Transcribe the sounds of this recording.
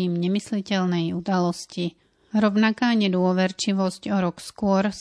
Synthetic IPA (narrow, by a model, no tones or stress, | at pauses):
iːmɲɛmislicɛlnɛjud̪alɔsci | ɾɔʊnakaːɲɛd̪ʊɔʋɛɾt͡ʃiʋɔscɔɾɔkskʊɔɾs